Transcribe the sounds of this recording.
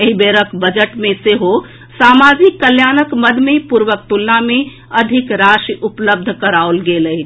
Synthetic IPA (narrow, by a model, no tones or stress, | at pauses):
eɦibeɾəkbəd͡ʒəʈmẽseɦo | samad͡ʒikːəljanəkməd̪ʱmepuɾʋək̚t̪ulname | əd̪ʱikɾaʃiupləb̚d̪ʱkəɾaolɡeləi